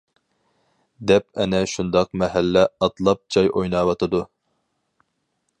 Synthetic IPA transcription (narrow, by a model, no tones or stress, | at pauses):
d̪ɛp̚ɛnɛʃund̪ɑqmɛɦælːɛɑt̪lˠɑp̚d͡ʒʰɑjʔojnɑːwɑt̪ʰɨd̪u